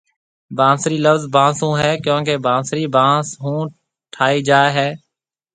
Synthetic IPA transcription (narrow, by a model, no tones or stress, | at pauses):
bãːsɾiːləfzbãːsũːɦɛːkjõːkebãːsɾiːbãːsɦũː | ʈʰaːiːd͡ʒaːɦɛː